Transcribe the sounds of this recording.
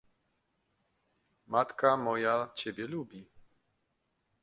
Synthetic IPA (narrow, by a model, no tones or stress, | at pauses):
mat̪kamɔjat͡ɕɛbʲjɛlubʲi